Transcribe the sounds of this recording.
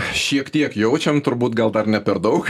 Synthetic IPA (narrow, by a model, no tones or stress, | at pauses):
ʃʲiɛkt̪ʲiɛkjɛʊt͡ʃʲɛmt̪ʊɾbuːt̪ɡɐlˠd̪ɐɾnʲɛpʲɛɾd̪ɐʊk